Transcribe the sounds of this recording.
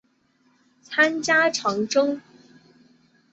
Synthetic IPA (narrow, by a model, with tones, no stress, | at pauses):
t͡sʰa˥nt͡ɕja˥ʈ͡ʂʰɑ˧˥ŋʈ͡ʂʊ˥ŋ